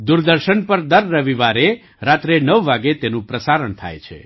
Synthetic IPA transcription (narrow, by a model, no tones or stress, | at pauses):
d̪uɾd̪əɾʃənpəɾd̪əɾːəʋiʋaɾe | ɾat̪ɾenəʋːaɡet̪enũpɾəsaɾəɳt̪ʰa̰jt͡ʃʰḛ